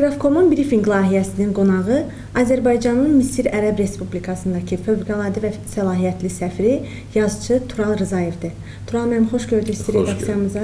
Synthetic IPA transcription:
ɡɾɑfkʰo̞munbiɾifiŋɡlˠɑːɦijæsininɡo̞nɑʁɯ | ɑzæɾbɑjd͡ʒɑnɯnmisiɾæɾæbɾe̞spublikʰɑsɯnd̪ɑcʰɯføvɡɑlˠɑːd̪ivæsælˠɑːɦijæt̪ʰlisæfɾi | jɑzt͡ʃʰɯt̪ʰuɾɑlˠɾɯzɑje̞vd̪ɯ | t̪ʰuɾɑlˠmænmχo̞ʃɟø̞ɾd̪yst̪iɾe̞d̪ɑksijɑmɯzɑ

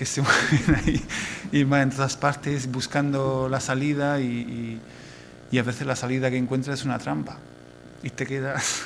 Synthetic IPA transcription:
kesemweβenaiimaent̪oðaspaɾt̪e̞sbuskand̪olasalið̞aiiː | aβe̞θe̞zlasaliðakeŋkwe̞nt̪ɾasesunat̪ɾampa | it̪e̞ke̞ðas

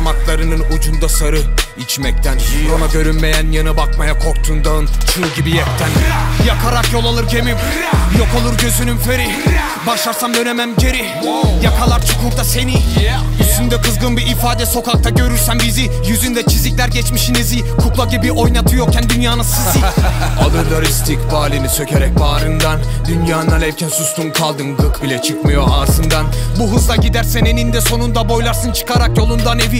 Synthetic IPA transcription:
mak̪lˠaɾɯnɯnud͡ʒund̪asaɾɯ | it͡ʃʰmɛc̚t̪ʰænonaɟø̞ɾynme̞jænjanɯbakmajakʰo̞kt̪ʰund̪ant͡ʃʰɯlɟibijɛp̚t̪ʰænjakʰaɾakjo̞lˠalˠɯɾd͡ʒe̞mim | jo̞ko̞lˠuɾɟø̞zynynfeɾi | baʃlˠaɾsamd̪ø̞nemæmɟe̞ɾi | jakʰalˠaɾt͡ʃʰukʰuɾd̪ase̞niyst̪ynd̪ɛkʰɯzɡɯnbiʔːfaːd̪ɛso̞kʰak̚t̪ʰaɟø̞ɾyɾsæmbizi | jyzynd̪ɛt͡ʃʰizlʲicʲlʲæɾɟɛt͡ʃmiʃinezi | kʰuklˠaɟibiʔo̞jnat̪ʰɯjok̚cʲʰːænd̪ynjaːnasɯzɯalˠɯɾlˠaɾɯst̪ʰikbaːlʲinisø̞cʰeɾɛc̚baːɾɯnd̪and̪ynjaːnaɾɛvcʰɛnsust̪ʰunkʰalˠd̪ɯnɡɯkbilʲɛt͡ʃʰɯkmɯjo̞azɯnd̪anbuɦɯzlˠaɟid̪æɾsɛnenind̪ɛso̞nund̪abo̞jlˠaɾsɯnt͡ʃʰɯ̥kʰaɾakjo̞lˠund̪ane̞vi

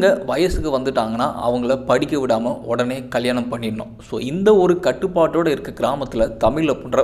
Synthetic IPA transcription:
ŋɡɐʋɐjɐsɯkːɯʋɐnd̪ɯʈːaːŋɡɐnːa̰ːʔɐ̰ʋɐŋɡɐɭɐpɐɽɪkʲːɐʋɪɽaːmɐʔɔɽɐneːkɐɭjaːɳɐmpɐɳːɪɾɯɳːʊ̰̃so̰ːɪnd̪ɐɔɾɯkɐʈːɯpːaːʈːoːɽɐɪɾɯkːɐɡɪɾaːmɐt̪ːɪlɐt̪ɐmɪɭlɐpʊɳrɐ

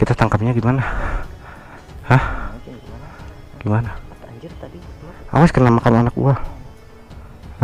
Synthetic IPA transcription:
kit̪ast̪aŋkap̚ɲaɡimana | hah | ɡ̥imana | a̰waskənamakananakṵa

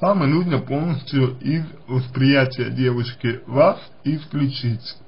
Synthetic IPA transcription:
samanud̪ɲapolˠnost͡ɕuiz | ʋaspɾijat̪ʲajad̪jeʋojʃkeʋas | isklʲut͡ʃit̪se̥

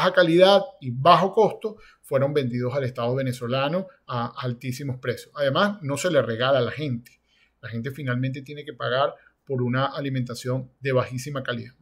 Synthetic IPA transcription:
xakaliðaðiβaxo̞ko̞st̪o̞ | fwe̞ɾo̞mbẽ̞nd̪iðo̞sale̞st̪að̞oβ̞e̞neso̞lano̞aːlt̪isimo̞spɾe̞sjosaðemasno̞se̞le̞re̞ɣalaːlaxe̞nt̪e̥ | laxe̞nt̪̬e̞finalmẽnt̪e̞t̪je̞ne̞ke̞paɣaɾ | po̞ɾunaʔalimẽnt̪asjo̞nd̪e̞βaxisimakaliðað

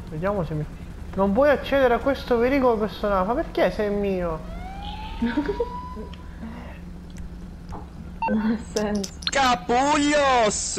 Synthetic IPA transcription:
ved̪jaːmosemi | nomp̬wɔjat͡ʃːɛːd̪eɾeakːwest̪opeɾiːkolopersonalmapːerkesɛjmiːo | nonasɛnkapuʎos

